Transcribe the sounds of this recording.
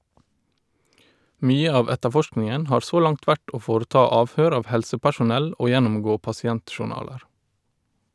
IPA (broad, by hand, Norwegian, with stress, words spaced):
ˈmyːə ˈɑːʋ ˈɛtəˌfɔʃknɪŋən ˈhɑːɹ ˈsoː ˈlɑŋt ˈʋæʈ ˈoː ˈfoːɾəˌtɑː ˈɑːʋˌhøːɾ ˈɑːʋ ˈhɛlsəpæʃʊˌnɛl ˈoː ˈjɛnʊmˌɡoː pɑsɪˈɛntʃʊˌɳɑːləɾ